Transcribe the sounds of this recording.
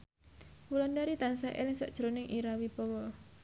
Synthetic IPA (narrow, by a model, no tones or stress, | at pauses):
pulandaɾit̪ansaʔḛlɪŋsa̰ʔd̥ʒ̥ɾonɪŋʔiɾawipɔwɔ